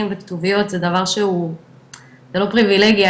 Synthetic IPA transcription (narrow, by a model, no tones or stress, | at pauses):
imvekt̪uvijo̞t̪zed̪avaʁʃeu | zelo̞pʁivileɡia